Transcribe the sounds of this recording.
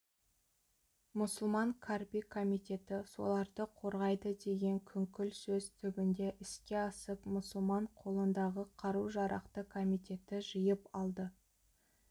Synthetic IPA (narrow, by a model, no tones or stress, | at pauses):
mʊsʊlˠmɑŋkʰarpikʰo̞mijt̪e̞t̪ɪso̞̰lˠɑɾd̪əqʰo̞ɾʁɑjd̪əd̪e̞ɡʲe̞ŋkʲʰʏŋkʲʏlsɵzt̪ʰʏɡʲɪnd̪e̞ʔɪskʲe̞ɑsəpmʊsəlˠmɑɴqʰo̞lˠənd̪ɑʁəqʰɑɾuwʒɑɾʔɑ̰qt̪əkʰo̞mijt̪e̞t̪ɪʒəjəpɑlˠd̪ə